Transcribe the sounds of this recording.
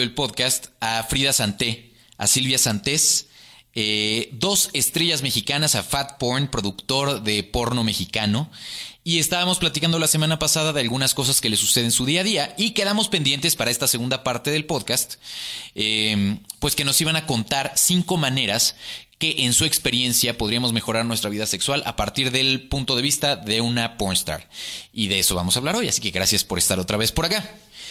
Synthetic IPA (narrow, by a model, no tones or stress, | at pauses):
elpo̞ðkast̪afɾiðasant̪e̞ | a̰silβjasant̪e̞s | ed̪o̞se̞st̪ɾe̞ʝazme̞xikanasafat̪̚poɾnpɾo̞ðukt̪o̞ɾðe̞po̞ɾno̞me̞xikano̞ie̞st̪aβamo̞splat̪ikand̪olase̞mãnapasaðaðe̞alɣunasko̞s̬aske̞le̞suse̞ð̞e̞nsuðiaðiaike̞ðamo̞spe̞nd̪je̞nt̪e̞spaɾae̞st̪ase̞ɣund̪apaɾt̪e̞ðe̞lpo̞ðkast̪ | empwe̞ske̞no̞siβanako̞nt̪aɾsiŋko̞mãne̞ɾaske̞ʔensue̞kspe̞ɾje̞nsjapo̞ðɾiamo̞zme̞xo̞ɾaɾnwe̞st̪ɾaβiðase̞kswalʔa̰paɾt̪iɾðe̞lpunt̪o̞ðe̞βist̪aðe̞unaponst̪a̰ɾiðe̞eso̞βa̰mosaβlaɾo̞ja̰sike̞ɣɾasjaspo̞ɾe̞st̪aɾo̞t̪ɾaβe̞spo̞ɾaka